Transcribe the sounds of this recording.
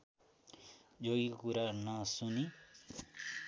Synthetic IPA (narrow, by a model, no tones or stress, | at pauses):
d͡zoɡikokuɾanʌsuni